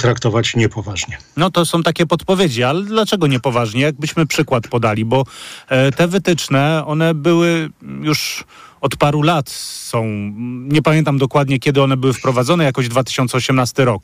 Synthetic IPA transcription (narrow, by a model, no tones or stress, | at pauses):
t̪ɾakt̪ɔvat͡ɕɲɛpɔvaʐɲɛnɔt̪ɔsɔ̃w̃t̪akʲɛpɔt̪pɔvʲjed͡ʑialɛd̪lat͡ʂɛɡɔɲɛpɔvaʐɲɛjaɡ̚bɘɕmɘpʂɘkwat̪pɔd̪alʲibɔ | t̪ɛvɘt̪ɘt͡ʂnɛɔnɛbɘwɘjuʂ | ɔt̪paɾulat̪sɔ̃w̃ɲɛpamʲjɛnt̪amd̪ɔkwad̪ɲɛkʲɛd̪ɘɔnɛbɘwɘfpɾɔvad̪zɔnɛjakɔʑd̪vat̪ɘ̥ɕɔnt̪sɛɔɕɛmnast̪ɘɾɔk